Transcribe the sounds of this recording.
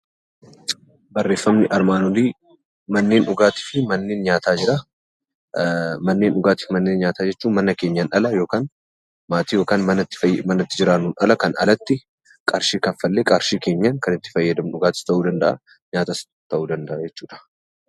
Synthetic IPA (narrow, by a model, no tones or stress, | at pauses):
bɐrːe̞ːfːɐmnɪʔɐɾmaːnɔliː | mɐnːe̞ːnʊɡaːt̪ɪ̥fɪmɐnːe̞ːnɲaːt̪aːd͡ʒɪɾɐ | mɐnːe̞ːnʊɡaːt̪ɪ̥fmɐnːe̞ːnɲaːt̪aːd͡ʒɛt͡ʃːuːnmɐnɐke̞ːɲːɐnʔɐlɐjo̞ːkaːn | maːt̪iːjo̞ːkaːnmɐnɐɪ̥ɐmɐnɐt̪ːɪd͡ʒɪɾaːnuːnʔɐlɐkɐnɐ̰lɐt̪ːɪ | kʼɐɾʃiːkɐfːɐlːeːkʼɐɾʃiːke̞ːɲːankɐnɪt̪ːɪ̥fɐjːɐd̪ɐmʊɡaːt̪ɪ̥st̪ɐʔuːd̪ɐnd̪ɐʔɐ̰ | ɲaːt̪ɐs | t̪ɐʔuːd̪ɐnd̪ɐʔɐd͡ʒɛt͡ʃːuːᶑɐ̥